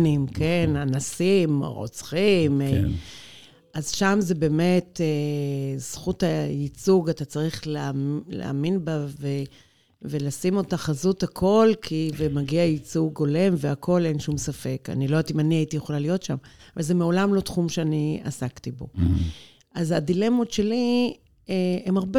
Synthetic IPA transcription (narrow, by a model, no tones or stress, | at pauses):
nimkenanasimʁo̰t͡sχim | ʔazʃamze̞be̞ːme̞tez̥χuthait͡suɡatat͡saʁiχlelḛa̰minbave | velasimo̞taχazuthakʰo̞lkʰivemaɡiajit͡suɡo̞le̞mveakʰo̞le̞nʃumsafe̞ka̰nilo̞at̪imaniaitijeχolalijo̞tʃamavalze̞meo̞lamlo̞tχumʃeania̰saktibo̞̰ | ʔazadilemotʃe̞li | eemaʁbe